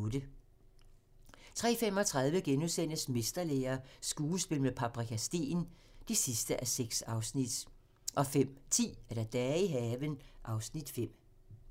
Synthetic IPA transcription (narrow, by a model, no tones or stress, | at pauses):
d̥ə | t͡sʰʁɛ̰ːfem̰ɒ̽t͡sʰʁɑ̈ð̞ˠʋəɡ̥enusen̰əsme̝sd̥ɐleːɐsɡ̥uːsb̥e̝ləmepʰæ̈b̥ʁikʰæsd̥e̝̰ːn | d̥esisd̥əʔæseɡ̥sɑ̈ʊsnid̥ | ʔɒ̽fem̰t͡sʰḭːæɐd̥æd̥ɛːiɦɛːʋənʔɑ̈ʊsnid̥fem̰